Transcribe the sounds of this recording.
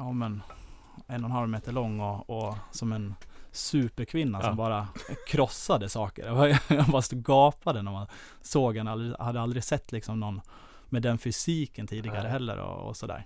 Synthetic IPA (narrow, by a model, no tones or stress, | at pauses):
jɑːmɛn | ɛnːɔnhalvmeːt̪əɭɔŋːɔɔsɔmɛnsʉ̟ːpəɾkʰvɪnːasɔmbɑːɾakʰɾɔsːad̪əsɑːkə̰ɾɛvavast̪ɡɑːpad̪ɛnæɾman | soːɡɛnald̪ɾɪhad̪ːəald̪ɾɪɡsɛt̪ʰːlɪksɔmnɔnː | mɛd̪ɛnfʏsiːkənt̪ʰiːd̪ɪɡaɾəɦɛlːə̰ɾɔ̰ɔ̰sɔd̪æ̰ːɾ